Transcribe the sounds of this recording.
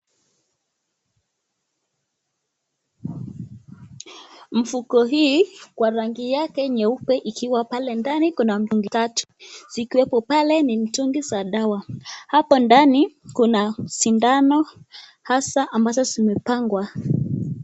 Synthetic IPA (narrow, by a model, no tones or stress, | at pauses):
m̩fukɔɦiːkwaɾaŋɡijakɛɲɛupɛʔikʰiwapalɛndanikunam̩tuŋɡitatu̥z̥ikiwɛpɔpalɛnim̩tuŋɡizaɗawahapɔndanikunasindanɔ | hasaʔambazɔzimɛpaŋɡwa